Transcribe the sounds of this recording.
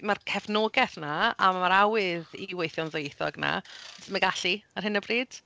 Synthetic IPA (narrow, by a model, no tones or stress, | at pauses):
markʰɛvnoːɡɛθnaamaɾawɨðiwejθjɔnðojθɔ̰ɡna̰tʰməɡaɬiarhɪnəbriːd̥